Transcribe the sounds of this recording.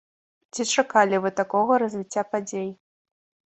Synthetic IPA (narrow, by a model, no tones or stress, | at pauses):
t͡sʲit͡ʂakalʲivɨt̪akɔɣɐɾɐzʲvʲit͡sʲːapad͡zʲej